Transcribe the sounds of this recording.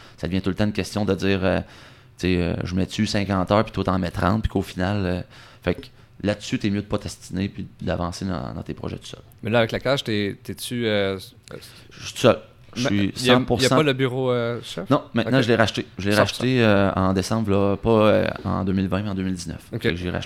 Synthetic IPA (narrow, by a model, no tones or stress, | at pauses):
sad̪əvjɛ̃t̪ult̪ãynkʲɛst̪jɔ̃d̪əd͡zziːʁø̰ | t͡seø̰ʒəmɛt͡sysɛ̃kɑ̃ːt̪œːpi̥t̪ot̪ɑ̃mɛt̪ʁɑ̰̃ːt̪̚pi̥kofinalø | fɛk | lad̪əsyt̪ɛmjød̪əpɔt̪ɛst̪inepid̪a̰vɑ̰̃ːsed̪ɑ̰̃d̪ɑ̰̃t̪epʁɔ̰ʒɛ̰t̪u̥sœ̰l | mɛlʌavɛklakaʃt̪et̪ɛt͡syø | ʃit̪u̥sœl | ʃisɑ̃puʁsãpɔləbyʁoʃɛnɔ̃mɛ̃t̪nãʒəleʁaʃt̪eʒəleʁaʃt̪eøɑ̰̃d̪esɑ̃bʁlʌpɔø̰ɑ̰̃d̪øːmɪlvɛ̃mɛɑ̃d̪øːmɪld̪iznœ̰ffɛ̰kʒeʁa̰ʃt̪